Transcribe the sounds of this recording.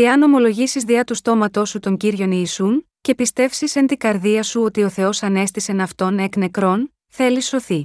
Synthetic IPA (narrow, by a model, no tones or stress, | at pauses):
eɐno̞mo̞lo̞ʝisizðiɐt̪ust̪o̞mɐt̪o̞sut̪o̞ɲɟiɾʝo̞niːsunce̞pist̪e̞fsisent̪iɡɐɾðiɐsuo̞t̪io̞θe̞o̞sɐne̞st̪ise̞nɐft̪o̞nekne̞kɾo̞n | θe̞lisːo̞θi